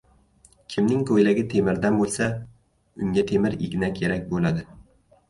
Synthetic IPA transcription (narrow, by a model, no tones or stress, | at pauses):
kʲʰɪmnɪŋkʰojlaɡʲɪt̪ʰe̞mɪɾd̪anbolˠsa | ʊŋɡʲat̪ʰe̞mɪɾɪ̰ɡʲnakʲʰe̞ɾak̚ʲbolad̪ɪ